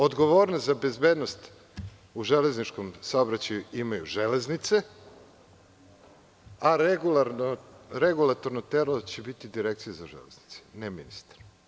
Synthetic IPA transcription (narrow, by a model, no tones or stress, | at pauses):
o̞d̪ɡo̞ʋoːɾnozabe̞zbeːd̪no̞st̪ | uʒele̞znit͡ʃko̞msaobɾat͡ɕajuimajuʒe̞leznit̪se | aɾeɡulˠaɾnoɾeɡulˠat̪oɾnot̪eɾlot͡ɕebit̪id̪iɾek̚t̪sijezaʒḛlezni̥t̪se̥neminist̪ḁɾ